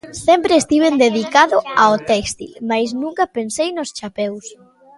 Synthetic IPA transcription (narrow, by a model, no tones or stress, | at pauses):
sɛmpɾeːst̪iβ̞end̪eðikaðʊaot̪ɛkst̪ḭlmajs̬nũŋkɐpensejnʊst͡ʃapɛws